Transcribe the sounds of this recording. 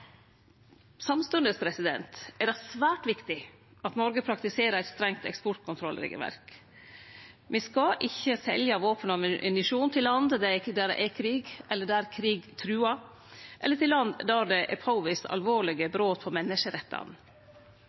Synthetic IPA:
sɑmst̪ʉnd̪əspʰɾɛsɪd̪ɛ̰nt̪ʔɛɖæsʋæːʈʋɪkt̪ɪ | ɑt̪nɔɾɡəpʰɾɑkt̪ɪseːɾəɾæɪt̪st̪ɾɛŋt̪ɛ̰kspɔʈ̚kʰʊnt̪ʰɾɔlːɾɪ̰ːɡə̰ʋæ̰ɾk | ʋɪskɑʔɪçːəsɛ̰ljɑʋoːpənɑmɪ̰nɪʂuːnt̪ʰɪlːɑnd̪d̪ɛd̪æɖɛ̰ʔɛkʰɾiːɡɛlːəɖɛæːɾkʰɾiːɡt̪ʰɾʉːɑ | ʔɛ̰lːəʈɪllɑnd̪d̪æɖ̪ɛʔɛ̰pʰɑʊʋɪsɑ̰lʋoːɭɪɡəbɾoːt̪̚pʰɔmɛnːəʂəɾɛt̪ːɑ̰n

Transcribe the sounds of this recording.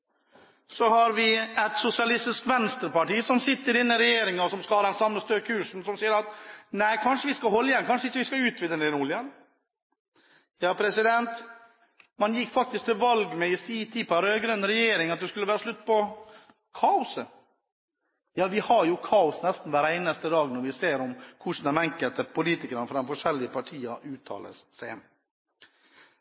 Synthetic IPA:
sɔhɑɾʋɪɛt̪sʊsɪɑlɪst̪ɪskʋɛnst̪əɾpɑʈiːsɔmsɪt̪ːəɾɪnːəɾɛjeːɾɪŋəɔsɔmskɑlɑːd̪ɛnsɑmːəst̪økʰhʉːʂn̩sɔmsiːəɾɑt̪næɪkʰɑnʂəʋɪskɑhɔlːəjɛnkʰɑnʂəɪçːəʋɪskɑʉːt̪ʰʋɪd̪ənɪnʊlɪən | jɑːpʰɾɛsɪd̪ɛnt̪ | mɑnjɪkːfɑk̚t̪ɪsk̚t̪ʰɪlʋɑlɡmɛɪsiːt̪ʰiːpɑɾøːɡɾœnɾɛjeːɾɪŋɑt̪̚d̪ʉskʉlːəʋæːɾəʂlʉt̪ːpɔ | kʰɑːʊsə | jɑːʋɪhɑɾjʊkʰɑːʊsnɛst̪n̩ʋæːɾæɪnəst̪əd̪ɑːɡnɔɾʋɪseːɾɔmkʰʊʂn̩ɛmæŋkəlt̪əpʰʊliːt̪ɪkəɾənəfɾɑɛnfɔʂɛlːɪəpʰɑʈʰiːɑʔʉːt̪ʰɑ̰ːlə̰ssæ

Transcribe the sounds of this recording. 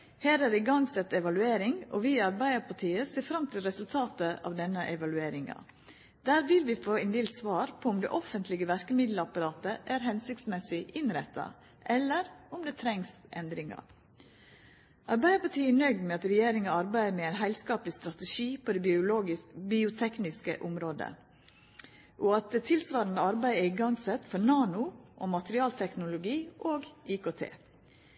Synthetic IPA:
hæːɾæːɾɪɡɑŋsɛt̪ːɛʋɑlʉeːɾɪŋɔ̰ʋiɑɾbæɪd̪əpʰɑʈʰiːəseːfɾɑmt̪ʰɪlɾɛsʉlt̪ʰɑːt̪əʔɑ̰ʋd̪ɛnːəʔɛʋɑlʉeːɾɪŋɑ̰ | d̪̥æːɾʋɪlʋɪfoːɪnd̪eːlt̪sʋɑːɾpʰɔʊmd̪ɛ̰ʔɔfənt̪ʰlɪɡəʋæɾkəmɪd̪ləɑpɑɾɑːt̪əʔæːɾɦɛnsɪk̚t̪smɛsɪʔɪnɾɛt̪ʰːɑ̰ | ʔɛlːəɾʊmd̪eːt̪ʰɾɛŋsʔɛnd̪ɾɪŋɑ̰ | ʔɑɾbæɪd̪əpɑʈʰiːɛɳœɡd̪mɛːɑt̪ɾɛjeːɾɪŋəɑɾbæɪəmeːæɪnɦæɪlskɑːplɪst̪ɾɑt̪əʃiːpʰod̪ɛʊloːɡɪbiːʊt̪ʰɛknɪskə̰ʔʊmɾoːd̪ə̰ | ʔɔɑt̪̚d̪ɛt̪ʰɪlsʋɑːɾɑnd̪əɑɾbæɪɛɾɪɡɑŋsɛt̪fɔɾnɑːnʊʔɔmɑt̪əɾɪɑːlt̪ʰɛknʊlʊɡiːʔoːɡʔiːkoːt̪ʰḛː

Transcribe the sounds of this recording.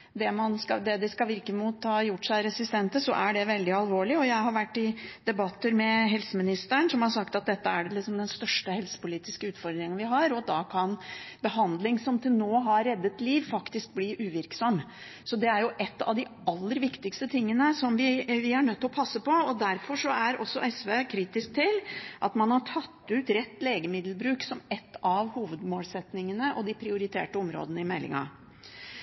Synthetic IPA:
d̪ɛmɑnskɑd̪ɛd̪ɪskɑlʋɪɾkəmuːt̪hɑːjʊʈːʂæɪɾɛsɪst̪ɛnt̪əsɔ̰ʔæɖɛʋɛld̪ɪɑlʋoːɭɪɔjæɪɦɑɾʋæʈːɪd̪̥ɛbɑt̪ːəɾmɛɦɛlsəmɪnɪst̪əɳsɔmhɑɾʂɑkt̪ɑt̪̚d̪ɛt̪ːəæɖɛlɪksɔmd̪ɛnst̪œʂʈəhɛlsə̥pʊliːt̪ɪskəʉːt̪fɔɾd̪ɾɪŋənʋɪɦɑɾɔd̪ɑːkʰɑnbəɦɑnd̪lɪŋsɔmt̪ʰɪlnoːɦɑɾɾɛd̪ːət̪liːʋfɑkt̪ɪsk̚bliːʔʉːʋɪɾksɔmː | sɔd̪ɛæɾjʊʔɛt̪ːɑ̰ʋd̪ɪɑlːəɾʋɪkt̪ɪkst̪ət̪ʰɪŋːənəsɔmʋɪʋɪæɳœt̪ːɪlɔpʰɑsːəpɔɔd̪æɾfɔʂɔæɾʔɔ̰sːɔʔɛsʋeːkʰɾiːt̪ɪsk̚t̪ʰɪlʔɑt̪mɑnhɑʈʰɑt̪ːʉːt̪ɾɛt̪ːleːɡəmɪd̪l̩bɾʉːksɔmɛt̪ːɑʋhuːʋəd̪moːlsɛt̪nɪŋənəʔɔd̪ɪpʰɾɪʊɾɪt̪ʰḛːʈəɔmɾo̰ːd̪ənəɪmɛlːɪ̰ŋɑ̰

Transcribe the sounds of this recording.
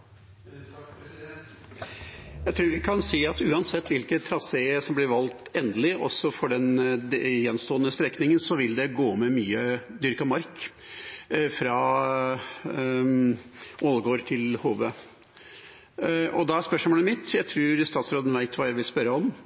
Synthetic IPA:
jæɪt̪ʰɾuːɾʋɪkʰɑnsiːɑt̪ʉːɑnsɛt̪ːʋɪlkət̪ʰɾɑsesɔmblɪɾʋɑlt̪ɛːnd̪əlɪʔɔ̰sːɔfɔɖɛn | jɛnːst̪oːənəst̪ɾɛkːnɪŋənsɔʋɪld̪ɛɡoːmɛmyːəd̪ʏɾkɑmɑɾk | fɾɑ | ʔolɡoːɾt̪ʰɪlhoːʋə | ʔɔd̪ɑæspœʂmoːləmɪt̪jæɪt̪ʰɾʉːɾst̪ɑːt̪sɾoːd̪ənʋæɪt̪ʰʋɑːjæɪʋɪlspœɾəɔm

